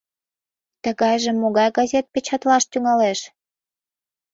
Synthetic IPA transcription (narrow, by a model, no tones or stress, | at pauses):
t̪əɣɑjʒemːoɣɑjɡɑzʲet̪̚pet͡ɕɑt̪lɑʃt̪yŋɑleʃ